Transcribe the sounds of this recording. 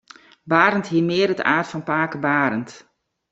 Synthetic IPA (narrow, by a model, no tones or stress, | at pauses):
baːɾəntɦiəmɪəɾətaːrtfɔnpaːkəbaːɾənt